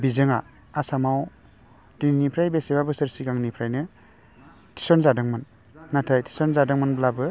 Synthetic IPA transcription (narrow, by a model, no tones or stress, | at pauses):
bizɯŋaː | samaw | dininipʰɾajbesebabɯsɯɾsiɡaŋnipʰɾajnɯ | tʰi̥sɔnzadɯŋmɯnː | atʰajtʰi̥sɔnzadɯŋmɯnblabɯ